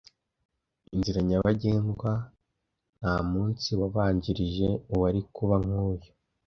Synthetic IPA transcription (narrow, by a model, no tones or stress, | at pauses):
inziɾaɲaβaɟeːŋɡwa | n̥haːmuːnt͡siwaβaːɲɟiɾiʒe̞uwaɾikuβaŋ̥huːjo